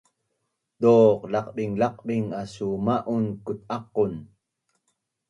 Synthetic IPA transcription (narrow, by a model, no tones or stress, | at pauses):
t̪oqlɑqɗiŋlɑq̚ɓiŋasumaʔunkut̪̚aqun